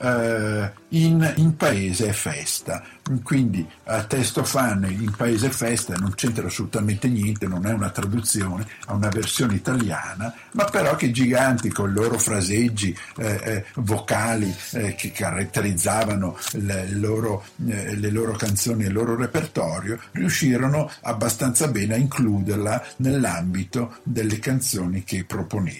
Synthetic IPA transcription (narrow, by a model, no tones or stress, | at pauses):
inimpaeːzeɛfːɛst̪akwind̪iat̪ːɛst̪ofanːoimpaeːzeɛfɛst̪anont͡ʃent̪ɾaːsːolut̪ament̪enjɛnt̪enonɛunat̪ɾad̪ut̪sjoːneaunaversjoːneit̪alja̰ːna | mapːeɾɔk̟ːeid͡ʒiɡant̪ikoniloːɾofɾazed͡ʒːi | vokaːlikekʰaɾat̪ːeɾid̪zːaːvanollːoːɾoleloːɾokant̪soːniilːoːɾoɾepert̪ɔːɾjoriuʃːiːɾonoabːast̪ant̪sabɛːneaiŋkluːd̪erlanelːambit̪od̪elːekant̪soːnikepːɾoponeː